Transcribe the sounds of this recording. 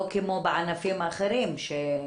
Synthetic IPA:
kemobeʕanafimaχeɾimʃe

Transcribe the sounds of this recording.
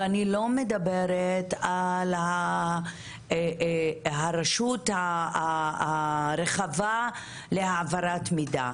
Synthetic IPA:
anilo̞medabeɾetala | haɾaʃutaa | ɾeχava | leaʕavaɾat̪mida̰

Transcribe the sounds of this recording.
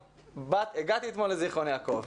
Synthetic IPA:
bat̪eɡat̪iet̪moleziχonjaːkov

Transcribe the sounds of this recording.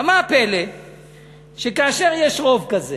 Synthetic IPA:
amaːpɛle | ʃekaːʃɛʁjɛʃʁovkaze

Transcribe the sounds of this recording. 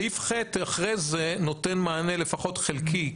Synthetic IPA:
ifχet̪aχʁejzeno̞tenmaːnele̞faχo̞tχelki

